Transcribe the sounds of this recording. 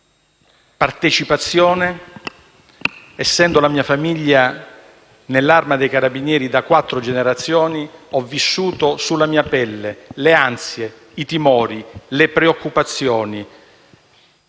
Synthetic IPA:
part̪et͡ʃipat̪sːjɔːne | ɛsːɛnd̪olamiːafamiʎːa | nelːarmad̪ejkaɾabinjɛːɾid̪akwat̪ːɾod͡ʒeneɾat̪sːjɔːniɔvːisːuːt̪osulːamiːapɛlːeleansje | it̪imɔːɾilepɾeokːupat̪sːjɔːni

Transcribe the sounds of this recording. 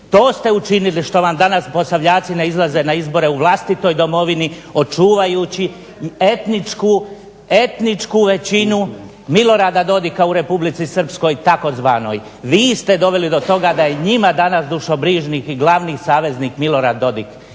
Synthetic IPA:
t̪o̞ːst̪e̞ut͡ʃiniliʃt̪o̞ʋamd̪anaspo̞saʋʎaːt̪sineizlˠaze̞naizbo̞ɾe̞uʋlˠast̪it̪o̞jd̪o̞mo̞ʋinio̞t͡ʃuːʋajuːt͡ɕi | e̞t̪nit͡ʃku | e̞t̪nit͡ʃkuʋe̞t͡ɕinu | milˠo̞ɾaːd̪ad̪o̞d̪ikauɾe̞publit̪sisr̩psko̞jt̪ako̞zʋaːno̞̰j | ʋiːst̪e̞d̪o̞ʋe̞lid̪o̞t̪o̞ɡad̪aje̞ɲimad̪anasd̪uʃobɾiːʒniːxiɡlˠaʋniːsaːʋe̞zniːkmilo̞ɾaːd̪ːo̞d̪ik

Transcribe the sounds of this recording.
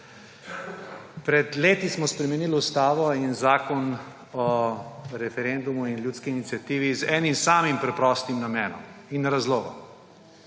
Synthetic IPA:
pɾɛd̪leːt̪ismɔspɾɛmɛniːlust̪aːʋɔinzaːkɔn | ɔ | ɾɛfɛɾɛnd̪umuinljut̪skiːnit̪siat̪iːʋizɛːnimsaːmimpɾɛpɾɔːst̪imnamɛːnɔ̰minːɾazloːɡɔ̰

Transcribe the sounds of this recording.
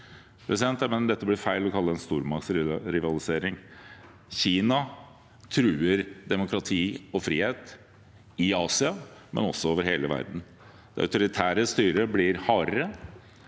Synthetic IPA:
pʰɾʔɛsɪd̪ɛnt̪mɛnd̪ɛt̪ːəblɪɾfæɪlɔkʰɑlːəɛnst̪uːɾmɑksɾɾɪʋɑlɪseːɾɪŋ | çiːnɑ | t̪ʰɾʉːəɾd̪ɛmʊkɾɑt̪ʰiːɔfɾiːheːt̪ | ɪɑːsɪɑmɛ̰nɔ̰sːɔoːʋəɾheːləʋæ̰ɾd̪n̩ | d̪ɛœ̰ʉt̪ʊɾɪt̪ʰæːɾəst̪yːɾəblɪɾhɑːɾə

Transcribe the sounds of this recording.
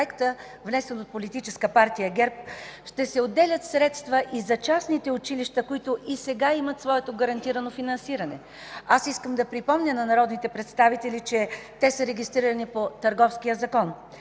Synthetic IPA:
ɛkt̪ə | vnɛsɛnot̪̚polit̪it͡ʃɛskəpaɾt̪ijəɡɛɾp̚ʃt̪ɛsɛod̪ːɛlʲət̪sɾɛt̪st̪vəʔizɐt͡ʃasnit̪ɛʊt͡ʃiliʃt̪əkoit̪ʊʔisɛɡaimɐt̪svɔɛt̪oɡɐɾɐnt̪iɾɐnofinɐnsiɾɐnɛ | asiskəmd̪ɐpɾipɔmnʲənɐnɐɾɔd̪nit̪ɛpɾɛt̪st̪avit̪ɛlit͡ʃɛt̪ɛsəɾɛɡʲist̪ɾiɾɐnipot̪ɐɾɡɔfskijəzɐkɔn

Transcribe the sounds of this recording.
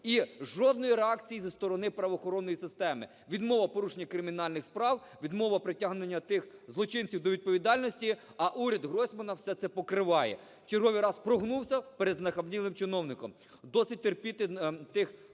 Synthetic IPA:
iʒɔd̪nɔjiɾeɑkt͡sʲijizɐst̪ɔɾɔnɪpɾɐʋɔːxɔɾɔnːɔjisɪst̪ɛmɪ̰ | ʋʲid̪mɔʋɐpɔɾuʃenʲːɐkɾɪmʲin̪ɑlʲnɪxspɾɑw | ʋʲid̪mɔʋɐpɾɪtʲaɦnɪnʲːɐt̪ɪxzlˠɔt͡ʃɪnt͡sʲiwd̪ɔʋʲid̪̚pɔʋʲid̪ɑlʲnɔsʲtʲi | ɐʔuɾʲɐd̪ɦɾɔsʲmɐnɐwsɛt̪sɛpɔkɾɪʋɑjɛ̰ | wt͡ʃerɦɔʋʲijɾɑspɾɔɦnuwsʲɐpeɾd̪znɐxɐbnʲilˠɪmt͡ʃɪnɔwnɪkɔm | d̪ɔsɪt̚ʲt̪erpʲit̪ɪt̪ɪx

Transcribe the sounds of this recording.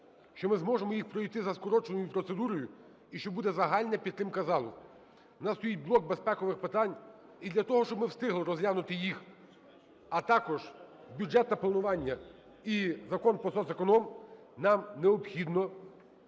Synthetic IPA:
ʃt͡ʃɔmɪzmɔʒemɔjixpɾɔijt̪ɪzɐskɔɾɔt͡ʃenɔjʊpɾɔt̪sed̪uɾɔjʊ | iʃt͡ʃɔbud̪ɛzɐɦɑlʲnɐpʲid̪t̪ːɾɪmkɐzɑlˠʊ̰ | nɑst̪ɔjit̚ʲblˠɔk̚bespɛkɔʋɪxpɪt̪ɑnʲ | id̪lʲɐt̪ɔɦɔʃt͡ʃɔbmɪwst̪ɪɦlˠɪɾɔzlʲanʊt̪ɪjix | ɐt̪ɑkɔʒ | bʲud͡ʒɛt̪nɐplˠɐnʊʋɑnʲːɐ | izɐkɔnpɔsɔzɐkɔnɔm | nɑmneɔpxʲid̪nɔ

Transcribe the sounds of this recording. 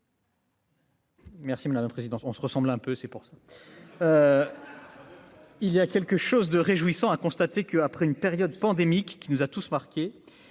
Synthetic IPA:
mɛʁsimad̪ampχezid̪ɑ̃t̪ɔ̃səʁəsɑ̃blɛ̃pøsɛpuʁsa | ilijakʲɛlkəʃozd̪əʁeʒuisɑ̃akɔ̃st̪at̪ekəapχɛynpeʁjɔd̪pɑ̃d̪emikːinuzat̪usmaʁkʲe

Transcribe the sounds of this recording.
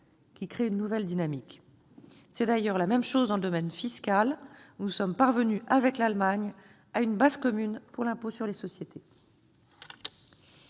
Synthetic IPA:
kʲikχeynːuvɛld̪inamik | sɛd̪ajœʁlamɛmʃozd̪ɑ̃ləd̪ɔmɛnfiskalnusɔmpaʁvənyʔavɛklalmaɲ | aynbazkɔmynpuʁlɛ̃posyʁlesɔsjet̪ʰe

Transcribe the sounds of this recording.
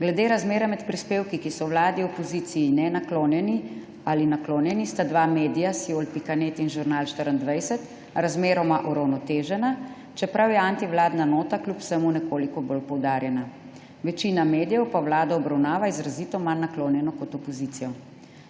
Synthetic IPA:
ɡlɛd̪eːɾazmeːɾɛmɛt̪pɾispeːwkikisɔwlaːd̪iɔpɔzit̪sijːnɛnakloːnjɛni | alinakloːnjɛnist̪ad̪ʋameːd̪ijasiolpikaneːt̪inʒuɾnalʃt̪əɾənd̪ʋajsɛt̪ | ɾazmeːɾɔmaʔuɾawnɔt̪eːʒɛna | t͡ʃɛpɾawjɛant̪iʋlaːd̪nanoːt̪aklʲjupw̥sɛmunɛkoːlikɔbolpɔwd̪aːɾjɛna | ʋɛt͡ʃinameːd̪ijɛwpawlaːd̪aɔbɾawnaːʋaizɾazit̪ɔmanːakloːnjɛnɔkɔt̪ɔpɔziːt̪sijɔ

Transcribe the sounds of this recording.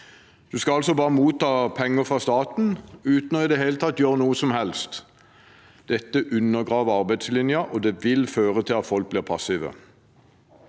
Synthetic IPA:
d̪̥ʉskɑɑlsɔbɑːʁəmuːt̪ːɑːpʰɛŋːəfʁɑst̪ɑːt̪n̩ʉːt̪n̩ɔɪd̪ɛɦeːlət̪ʰɑt̪ːjøːʁnuːəsɔmhɛlst̪ | d̪̥ɛt̪ːəʔʉnːəʁɡʁɑːʋəɑʁbæɪd̪slɪnjəʔɔd̪ɛʋɪlføːʁət̪ʰɪlɑt̪fɔlk̚blɪːʁpʰɑsɪʋə̰

